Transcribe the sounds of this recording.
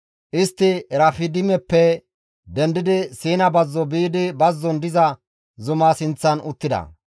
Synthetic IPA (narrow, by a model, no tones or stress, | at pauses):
ʔɪst̪ːɪɾɐfɪd̪ɪmɛpːɛ | d̪ɛnd̪ɪd̪ɪsiːnɐbɐzːɔbiːd̪ɪbɐzːɔnd̪ɪzɐ | zʊmaːsɪnt͡sːɐnʊt̪ːɪd̪ɐ̰